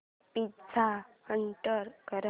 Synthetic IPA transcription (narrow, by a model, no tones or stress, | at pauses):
pitt͡sʰahəɳʈəɾkəɾə